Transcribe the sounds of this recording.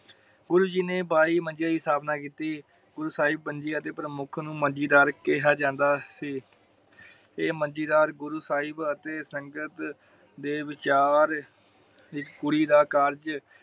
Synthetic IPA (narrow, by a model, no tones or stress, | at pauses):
ɡʊɾuːd͡ʒiːneːbaːiːmə̃nd͡ʒiaːdiːsaːbnaːkiːt̪iː | ɡʊɾuːsaːɪbːənd͡ʒiːət̪eːpɾəmʊkʰnũːmənd͡ʒiːd̪aːɾkɪɦaːd͡ʒãːnd̪aːsiː | eːmənd͡ʒiːd̪aːɾɡʊɾuːsaːɪbət̪eːsəŋɡət̪ | d̪eːʋɪt͡ʃaːɾ | ɪkːʊɽiːd̪aːkəɾd͡ʒ